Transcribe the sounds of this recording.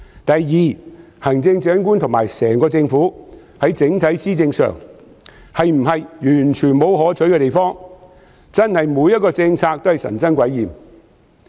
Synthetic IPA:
t̪ɐ˨jjiː˨˩ | hɐ˨˩ŋt͡sɪ˧ŋt͡ʃœː˨˥ŋkuː˥nt̪ʰʊ˨ŋmaː˨˩jsɛː˨˩ŋkɔː˧t͡sɪ˧ŋfuː˨˥ | hɐ˨˥jt͡sɪ˨˥ŋt̪ʰɐ˨˥jsiː˥t͡sɪ˧ŋsœ̰ː˨ŋ | hɐ˨jm̩˨˩ɦɐ˨jjyː˨˩nt͡ʃʰyː˨˩nmo˨˧wɦɔː˨˥t͡ʃʰɵ˨˥ɥkɛ˧t̪e˨jfɔː˥ŋ | t͡sɐ˥nhɐ˨jmuː˨˧˥jɐ˥t̚kɔː˧t͡sɪ˧ŋt͡sʰaː˧k̚t̪hɐ˨jsɐ̰˨˩nsɐ˥nkʷɐ˨˥jːiː˨˩m

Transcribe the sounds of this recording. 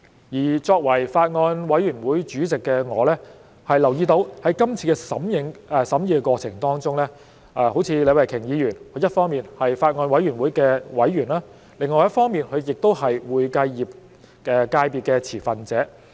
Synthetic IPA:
jiː˨˩t͡sɔː˧k̚wɐ˨˩jfaː˧t̚ŋɔː˧nwɐ˨˥jyː˨˩nwuː˨˥jt͡ʃyː˨˥t͡sɪ˨kːɛː˧ŋɔː˨˧lɛː˥ | hɐ˨jlɐ˨˩wjiː˧t̪o˨˥whɐ˨˥jkɐ˥mt͡sʰiː˧kɛ˧sɐ˨˥mjɪ˨˧ŋɛː˧sɐ˨˥mjiː˨˧kɛ˧kʷwɔː˧t͡sʰɪ˨˩ŋt̪ɔː˥ŋt͡sʊ˥ŋlɛː˥ | ʔɛ˧ho˨˥wt͡sʰiː˨˧le˨˧wɐ˨jkʰɪ˨˩ŋjiː˨˧jyː˨˩nkʰɵ˧˥jɐ˥t̚fɔː˥ŋmiː˨˩nhɐ˨jfaː˧t̚ŋɔː˧nwɐ˨˥jyː˨˩nwuː˨˥jkɛː˧wɐ˨˥jːyː˨˩nlaː˥ | lɪ˨˩ŋɔː˨˩jɐ˥tfɔː˥ŋmiː˨nkʰɵ˨˧ɥjɪ˨k̚t̪o˥whɐ˨jwuː˨˧jkɐ˧jːiː˨p̚ | kɛ˧kaː˧jpiː˨˩t̚kɛː˧t͡sʰiː˨˩fɐ˨nt͡sɛː˨˥

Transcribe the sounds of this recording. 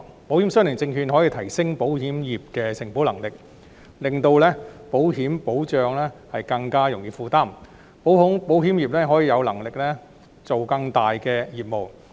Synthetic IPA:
po˨˥whi˨˥msɵ˥nɪ˨˩ŋt͡sɪ˧ŋɦyː˧nɦɔː˨˥jiː˧t̪ʰɐ˨˩jsɪ˥ŋpo˨˥whiː˨˥mjiː˨˩p̚kɛː˧sɪ˨˩ŋpo˨˥wlɐ˨˩ŋlɪ˨k̚ | lɪ˨˩ŋt̪o˧wlɛː˥po˨˥wɦiː˨˥mpo˨˥wt͡ʃœː˨˧ŋlɛː˥hɐ˨jkɐ˧ŋkaː˥jʊ˨˩ŋjiː˨˧fuː˨˧t̪aː˥˩m | po˨˥wɦʊ˨˥ŋpo˨˥wɦiː˨˥mjiː˨p̚lɛː˥ɦɔː˨˥jiː˧jɐ˨˧wlɐ˨˩ŋlɪ˨k̚lɛː˥ | t͡so˨wkɐ˧ŋt̪aː˨jkɛː˧jiː˨p̚mo˨˩w

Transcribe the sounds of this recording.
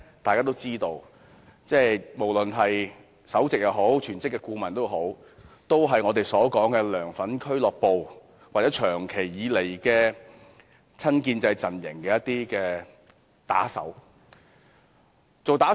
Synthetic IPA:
t̪aː˨jkaː˥t̪o˥wt͡siː˥t̪o˧w | t͡sɛː˥˩jmo˨˩wlɵ˨nɦɐ˨j | sɐ˨˥wt͡sɪ˨k̚jɐ˨˧wɦo˨˥wt͡ʃʰyː˨˩nt͡sɪ˥kːɛ˧kuː˧mɐ˨˩nt̪o˥wɦo˨˥w | t̪o˥wɦɐ˨jŋɔː˨˧t̪e˨jsɔː˨˥kɔː˨˥ŋkɛː˧lœː˨˩ŋfɐ˨˥nkʰɵ˥ɥlɔː˨k̚po˨w | waː˨k̚t͡sɛː˨˥t͡ʃʰœː˨˩ŋkʰe˨˩jjiː˨˧le˨˩jkɛː˧ | t͡sʰɐ˥nkiː˧nt͡sɐ˧jt͡sɐ˨njɪ̰˨˩ŋkɛː˧jɐ˥t̪iː˥kɛː˧ | t̪a̰ː˨˥sɐ̰˨˥w | t͡so˨wt̪aː˨˥

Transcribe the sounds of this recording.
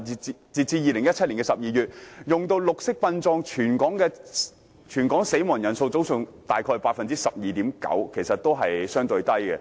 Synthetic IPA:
t͡siː˨t͡siː˧jiː˨lɪ˨˩ŋjɐ˥t̚t͡ʃʰɐ˥t̚li˨˩kɛː˧sɐ˨p̚jiː˨˧jyː˨t̚jʊ˨ŋt̪o˧wlʊ˨k̚sɪ˥k̚pɐ˧nt͡sɔː˧ŋt͡ʃʰyː˨˩nkɔː˨˥ŋkɛː˧ | t͡ʃʰyː˨˩nkɔː˨˥ŋse˨˥jmɔː˨˩ŋjɐ˨˩nso˧wt͡so˨˥wsʊ˨˧ŋt̪aː˨˩jkʰɔː˧jpaː˧k̚fɐ˨nt͡siː˥sɐ˨p̚jiː˨t̪iː˨˥mkɐ̰˨˥wkʰe˨˩jsɐ˨t̚t̪o˥wɦɐ˨jsœː˥ŋt̪ɵ˧ɥt̪ɐ˥jkɛ˧

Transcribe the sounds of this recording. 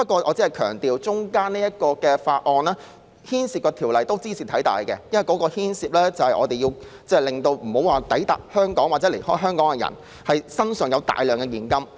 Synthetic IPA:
pɐ˥t̚kʷɔː˧ʔɔː˨˧t͡siː˨˥hɐ˨jkʰœː˨˩ŋt̪iː˨wt͡sʊ˥ŋkaː˥nniː˥jɐ˥t̚kɔː˧kɛː˧faː˧t̚ʔɔː˧nɛː˥ | hiː˥nsiː˨˧pkɔː˧t̪ʰiː˨˩wlɐ˨jt̪o˥wt͡siː˥t͡sʰiː˨t̪ʰɐ˨˥jt̪a̰ː˨jkɛ˧jɐ˥nwɐ˨jkɔː˨˥kɔː˧hiː˥nsiː˨p̚lɛː˥t͡sɐ˨whɐ˨jʔɔː˨˧t̪e˨jiː˧w | t͡sɛː˥˩lɪ˨ŋt̪o˧wm̩˨˩ho˨˥waː˨˩t̪ɐ˨˥jt̪a̰ː˨k̚hœː˥ŋkɔː˨˥ŋwa˨tt͡sɛ˨˥le˨˩jhɔː˥jɦœː˥ŋkɔː˨˥ŋkɛ˧jɐ̰˨˩n | hɐ˨jsɐ˥nsœ˨˩ŋjɐ˨˧wt̪a̰ː˨jlœː˨˩ŋkɛ˧jiː˨˩nkɐ˥m

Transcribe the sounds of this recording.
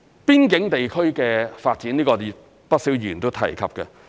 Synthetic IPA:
piː˥nkɪ˨˥ŋt̪e˨jkʰɵ˥ɥkɛː˧faː˧t̚t͡siː˨˥niː˥kɔː˧ | pɐ˥t̚siː˨˥wjyː˨˩nt̪o˥wt̪ʰɐ̰˨˩jkʰɐ˨p̚kɛ˧

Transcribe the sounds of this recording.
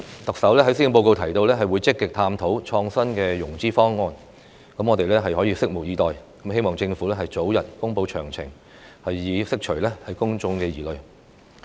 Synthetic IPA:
t̪ɐ˨k̚sɐ˨˥wlɛː˥ɦɐ˨˥jsi˥˧˥po˧wko˧wt̪ʰɐ˨˩jt̪o˧wlɛː˥ɦɐ˨jwu˨˧jt͡sɪ˥kːɪ˨k̚t̪ʰaː˧mt̪ʰo˨˥wt͡ʃʰɔː˧ŋsɐ˥nkɛː˧jʊ˨˩ŋt͡siː˥fɔː˥ŋːɔː˧n | kɐ˨˥mŋɔ˨˧t̪e˨jlɛː˥ɦɐ˨jhɔ˨˥jiː˨˧sɪ˥k̚mʊ˨˩k̚jiː˨˧t̪ɔː˨jkɐ˨˥mhe˥jmɔː˨ŋt͡sɪ˧ŋfuː˨˥lɛː˥ɦɐ˨jt͡so˨˥wjɐ˨˩t̚kʊ˥ŋpo˧wt͡ʃʰœː˨˩ŋt͡sʰɪ̰˨˩ŋ | hɐ˨jːiː˨˧sɪ˥k̚t͡ʃʰɵ˨˩ɥlɛː˥hɐ˨jkʊ˥ŋt͡ʃʊ˧ŋkɛː˧jiː˨˩lɵ˨ɥ

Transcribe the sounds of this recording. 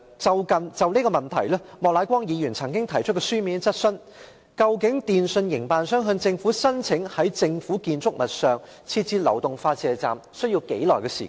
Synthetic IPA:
t͡sɐ˨wkɐ˨nt͡sɐ˨wniː˥kɔ˧mɐ˨˩nt̪ʰɐ̰˨˩jlɛː˥mɔː˨k̚laː˨˥kʷɔː˥ŋjiː˨˧jy˨˩nt͡sʰɐ˨˩ŋkɪ˥ŋt̪ʰɐ˨˩jt͡ʃʰɵ˥t̚kɛ˧syː˥miː˨˥nt͡sɐ˥t̚sɵ˥n | kɐ˧wkɪ˨˥ŋt̪iː˨nsɵ˧njɪ˨˩ŋpaː˨˧nsœː˥ŋɦɵ˧nt͡sɪ˧ŋfuː˨˥sɐ˥nt͡sʰɪ˨˥ŋhɐ˨˥jt͡sɪ˧ŋfuː˨˥kiː˧nt͡sʊ˥k̚mɐ˨t̚sœː˨ŋ | t͡sʰiː˧t̚t͡siː˧˥lɐ˨˩wt̪ʊ˨ŋfaː˧t̚t͡sɛː˨t͡sa̰ː˨msɵ˥ɥji˧wke˨˥jlɔ̰ː˨˩jkɛː˧sḭː˨˩˦

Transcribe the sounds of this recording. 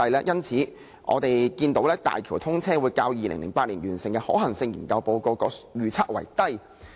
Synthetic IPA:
ɐ˧jlɛː˥jɐ˥nt͡sʰiː˨˥ | ʔɔ̰˨˧t̪e˨jkiː˧nt̪o˨˥wlɛː˥t̪a̰ː˨jkʰiː˨˩wt̪ʰʊ˥ŋt͡sʰɛː˥wu˨˧jkaː˧wjiː˨lɪ̰˨˩ŋlɪ˨˩ŋpaː˧t̚li˨˩njyː˨˩nsɪ˨˩ŋkɛː˧hɔː˨˥hɐ˨˩ŋsɪ˧ŋjiː˨˩nkɐ˧wpo˧wko˧wkɔː˧jyː˨t͡sʰaː˥k̚wɐ̰˨˩jt̪ɐ˥j

